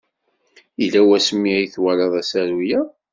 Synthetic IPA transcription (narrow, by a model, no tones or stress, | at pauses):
ilæwæsəmːiæjθwælɑðˤæsæɾujæ